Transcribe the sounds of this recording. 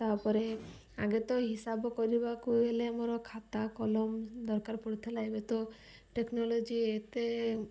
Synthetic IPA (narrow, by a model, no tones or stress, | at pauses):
t̪apɔɾe | a̰ɡet̪ɔɦisabɔkɔɾibakuelemoɾɔkʰat̪akɔlɔmd̪ɔɾkaɾpɔɽt̪ʰelajbet̪ɔ | ʈeknɔlod͡ʒiet̪e